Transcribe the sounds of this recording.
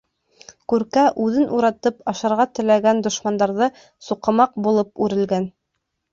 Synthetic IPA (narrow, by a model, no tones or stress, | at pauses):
kʉɾkæʔʉðɘnʔuɾɑt̪ɤpɑʃɑɾʁɑt̪ɘ̆læɡænd̪ŏʃmɑnd̪ɑɾðɤ | suqɤ̆mɑq̚bulˠɤp̚ʉɾɘ̆lɡæn